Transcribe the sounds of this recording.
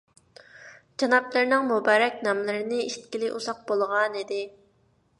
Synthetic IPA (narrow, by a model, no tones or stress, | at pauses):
d͡ʒɑnɑplˠɨɾnɨŋmubɑːɾɛkʲnɑmlˠɨɾɪnɪiʃt̪̚kʲilɪʔṵzɑq̚bolˠʁɑnid̪ɪ